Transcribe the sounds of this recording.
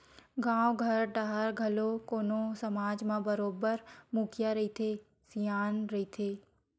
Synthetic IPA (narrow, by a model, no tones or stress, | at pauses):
ɡãːwɡʱɐɾɖaɦəɾɡʱɐlokoːnosɐmaːd͡ʒmãbəɾoːbəɾmukʰjaɾɐit̪ʰe | sijaːnɾɐɦit̪ʰeː